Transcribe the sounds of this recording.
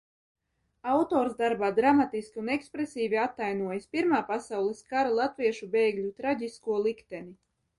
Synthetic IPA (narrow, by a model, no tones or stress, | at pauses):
awt̪oːɾzd̪aɾbaːd̪ɾamat̪iskʲiunɛkspɾesiːvʲiat̪ːajnuɔjaspʲiɾmaːpasawlˠɛskaɾalˠat̪viɛʃubeːɡlʲut̪ɾaɟʲiskuɔlˠikt̪ɛni